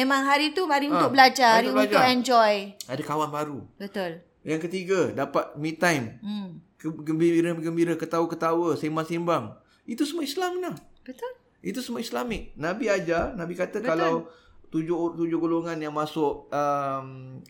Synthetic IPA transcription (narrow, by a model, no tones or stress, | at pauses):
memãŋɦaɾit̪uaɾiunt̪ʊkbəlad͡ʒaɾiutd͡ʒ̪aɛnd͡ʒɔjadakawanbaɾubət̪ʊl | jaŋkət̪iɡadapat̪̚mit̪ajm | ɡəmbiiɾəɡəmbiɾakət̪awəkət̪awəsemasimbaŋ | it̪usəmuaislamnahbət̪ʊl | it̪̬usəmuaislamɪk̚nãbiad͡ʒarnãbikat̪əkalaw | t̪ud͡ʒʊt̪ud͡ʒʊhɡoloŋanjaŋmasʊʔəm